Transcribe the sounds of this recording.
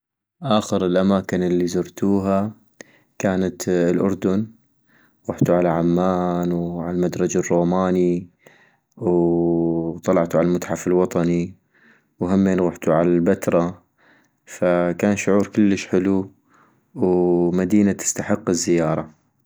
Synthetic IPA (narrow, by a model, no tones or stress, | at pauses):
ʔaːxəɾɪlʔamaːkɪnɪlːizʊɾˤt̪ʰuːɦa | kaːnat̪lʔʊ̰ɾˤd̪ʊn | ɣʊħt̪uʕalaʕamːaːnwʕalalmad̪ɾˤɑd͡ʒarˤːoːmaːni | w | t̪ˤɑlɑʕt̪uʕalalmʊt̪ħafɪlwɑt̪ˤɑni | wɦamːeːnɣʊħt̪uʕalalbat̪ɾˤɑ | fakaːnʃʊʕuːɾkɪlːəʃħɪlu | wmad̪iːnat̪ɪ̥st̪aħɪqːɪzːɪjɑːɾˤɑ